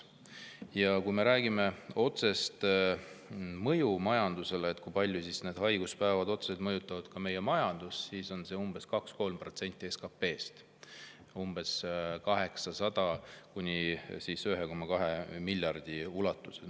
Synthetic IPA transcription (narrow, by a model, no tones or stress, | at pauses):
jɑkujme̞ɾæːɡime̞o̞t̪se̞st̪ | mɤjumɑjɑnd̪use̞leːt̪ːkujpɑlʲːjusisne̞ːd̪hɑjɡ̥uspæevɑd̪o̞t̪seset̪̚mɤjut̪ːˑɑvɑd̪̥kɑme̞je̞mɑjɑnd̪̥usːiːso̞nse̞umb̥e̞skɑksko̞lmpro̞t̪se̞nʲt̪ʲːˑie̞skɑpːe̞ːst̪ | umb̥e̞skɑɦe̞ksɑsɑd̪̥ɑkunʲisisøɦe̞ko̞mːɑkɑɦe̞milʲːjɑrd̪̥iulɑt̪ːˑu̥se